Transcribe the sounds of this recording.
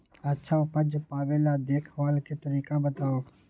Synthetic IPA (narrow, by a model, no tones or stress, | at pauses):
ətːʃʰaːpəd͡ʒpaːʋelad̪eːkʰʋaːlket̪əɾiːkabət̪aːoː